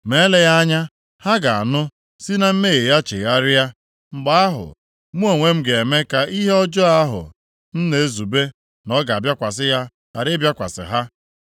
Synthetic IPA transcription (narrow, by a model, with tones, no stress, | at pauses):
me˨˦le˦ja˦ɲa˦ | ha˦ɡa˨a̰˨nʊ˦ | si˦na˦m̩˦me˦˨ɣe˨ja˦t͡ʃe˨ja˦ɾɪ˦ja˦ | ŋ͡m̩˨ɡ͡ba˦a˦ɦʊ̰˨ | mu˦o˨ŋʷe˦m̩˦ɡe˨me˦ka˨i˦ɦe˦ɔ˦d͡ʒɔ˦a˦ɦʊ̰˨ | n̩˦ne˨e˦zu˨be˦ | nɔ˦ɡa˨a˨bja˦kʷa˨sɪ˦ja˦ | a̰˨ɾɪ˦bja˦kʷa̰˨sɪ̰˨ɦa˦